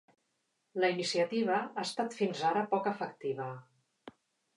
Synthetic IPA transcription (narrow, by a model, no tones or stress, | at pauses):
ləinisiət̪iβ̞əast̪at̪finzaɾəpɔkəfəkt̪iβə